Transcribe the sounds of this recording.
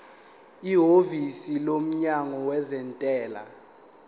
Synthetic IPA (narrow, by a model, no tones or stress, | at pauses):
iɦovisilom̩ɲaŋɔwɛzɛntʼɛːla̰